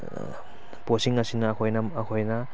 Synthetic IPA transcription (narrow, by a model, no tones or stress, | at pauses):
posiŋɐsinɐːkʰojnɐmɐkʰojnɐ